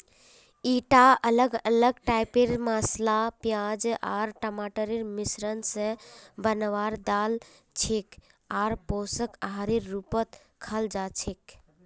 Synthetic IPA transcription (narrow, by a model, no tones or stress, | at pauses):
iʈaələɡələɡʈaɪpeɾmaslapjad͡ʒaɾʈəmaʈəɾiɾmisɾənsəbənəʋaɾd̪al | t͡ʃʰek | aːɾposəkaɦaɾiɾːupət̪ | kʰəld͡ʒat͡ʃʰik